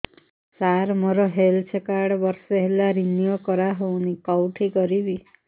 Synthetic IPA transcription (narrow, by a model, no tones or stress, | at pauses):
saɾmoɾɔɦelt͡ʃʰekaɽbɔɾsɔɦelaɾinijokɔɾaɦownikɔwʈʰikɔɾibi